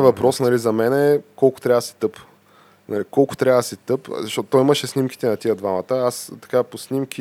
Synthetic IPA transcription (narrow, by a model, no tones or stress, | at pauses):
vɐpɾɔsnɐlizɐmɛnɛːkɔlˠko̥t̪ɾʲavd̪si̥t̪ɤp | nɐlikɔlˠkʊ̥t̪ɾjavəd̪əsɛt̪ɤpzɐʃtɔt̪t̪ɔimɐʃɛsnimki̥t̪ɛnɐt̪iəd̪vamɐt̪əast̪ɐ̥kaposnimk̟ʰi